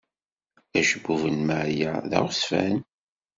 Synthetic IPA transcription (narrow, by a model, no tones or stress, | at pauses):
æʃəbuvənmaʕjæðæ̰ʁsfæ̰n